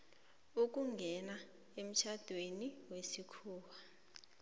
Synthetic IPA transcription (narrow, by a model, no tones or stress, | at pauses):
uk̬ʼuŋɡʱɛna | em̩t͡ʃʰad̥ʱweniwesikʰuːwa